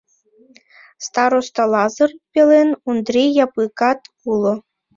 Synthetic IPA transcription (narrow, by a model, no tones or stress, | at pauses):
st̪ɑɾost̪ɑlˠɑzɤ̆rpʲelʲenund̪rʲijɑpɯkɑt̪ | ulˠŏ